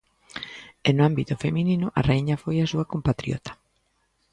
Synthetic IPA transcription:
enʊambit̪ʊfemininʊʔa̰rejɲafojasuakompat̪ɾiɔ̰t̪ḁ

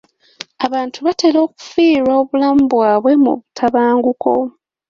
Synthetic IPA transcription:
aβaːntʰuβate̞ːlo̞ːku̥fiːɾwao̞βulamubwaːβwe̞mṵβutʰaβaːŋɡukʰo̞̰

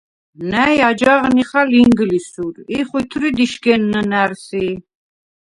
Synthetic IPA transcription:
næjad͡ʒaʁniχaliŋɡlisuɾiχwit̪ʰɾid̪iʃɡɛnːənæɾsi

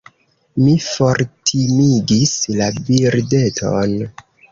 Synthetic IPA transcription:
mifo̞ɾtʰimiɡislabiɾde̞tʰo̰n

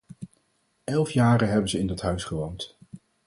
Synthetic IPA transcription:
ʔɛlˠfjaːrəɦɛbənzəɪndɑtɦœɥsχəʋownt

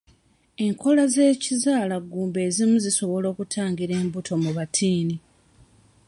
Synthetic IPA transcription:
e̞ŋkʰo̞laze̞ːcizaːlaɡːuːmbe̞ːzimuziso̞βo̞lo̞ːkutʰaːŋɡiɾe̞ːmbutʰo̞muβatʰiːni

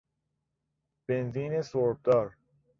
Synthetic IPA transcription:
b̥enziːnesoɾb̚d̪ɒːɾ

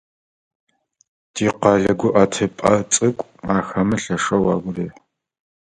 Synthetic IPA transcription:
diːqɑɮɐɡʷʊʔɐtʰɨpʼɐt͡sʼɨkʷʼaːxɐmɨɬɐʂɐwɑːɡʷʊreː

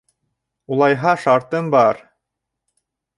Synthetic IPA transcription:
ulˠɑjɦɑʃɑɾt̪ɤmbɑɾ

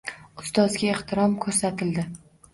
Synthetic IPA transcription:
ʊst̪ɒzɡʲaeht̪ʰɪɾɒmkʰɵɾsat̪ʰɪld̪ɪ

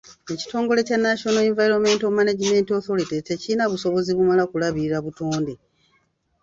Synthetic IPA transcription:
e̞ci̥to̞ːŋɡo̞le̞canːaʃo̞noeɱvajɾo̞me̞ːnto̞manaɟime̞nto̞θo̞litetecinaβuso̞βo̞ziβumalakulaβiɾaβutoːnde

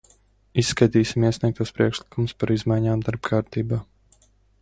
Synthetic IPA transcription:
isːkajt̪iːsʲimiɛsiɛk̚t̪aːspɾiɛkʃlˠikumuspaɾizmajɲaːmd̪aɾbkʰaːɾt̪iːbaː

